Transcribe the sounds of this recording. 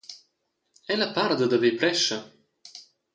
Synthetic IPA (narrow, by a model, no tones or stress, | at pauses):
ɛlapaɾd̪əd̪əvepɾɛʃə